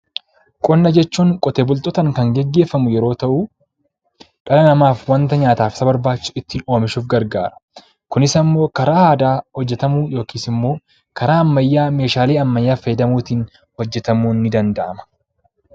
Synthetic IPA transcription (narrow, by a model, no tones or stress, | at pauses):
kʼɔnːɐd͡ʒɛt͡ʃːuːŋkʼɔt̪eːbʊlt̪ʼɔt̪ɐŋkɐŋɡɛɡːe̞ːfːɐmʊjɛɾo̞ːt̪ɐʔu | ᶑɐlɐnɐmaːfwɐnt̪ɐɲaːt̪aːfsɐbɐɾbaːt͡ʃːɪsʊɪt̪ːɪno̞ːmɪʃuːfɡɐɾɡa̰ːɾɐ̥ | kʊnɪsɐmːo̞ːkɐɾaːhaːd̪aːhɔd͡ʒːɛt̪ɐmuːjo̞ːkʰiːsɪmːo̞ː | kɐɾaːɐmːɐjːaːme̞ːʃaːle̞ːɐmːɐjːaːfɐjɛd̪ɐmuːt̪iːn | hɔd͡ʒːɛt̪ɐmuːnːɪd̪ɐnd̪ɐʔɐmɐ̥